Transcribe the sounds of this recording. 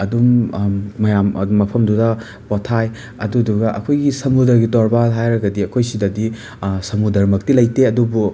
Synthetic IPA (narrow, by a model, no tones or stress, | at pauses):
ɐdumː | ɐjam̰mɐpʰɐmdudɐ | potʰaj | ɐduduɡɐʔɐkʰojɡisɐmudɐɾɡitɔɾbaɦajɾɐɡɐdiɐkʰojsidɐdi | sɐmudɐɾmɐk̚tilɐjteɐdubu